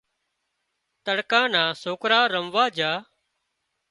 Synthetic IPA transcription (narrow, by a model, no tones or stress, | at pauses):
t̪əɽkãːnãːsoːkɾaːɾəmʋaːd͡ʒaː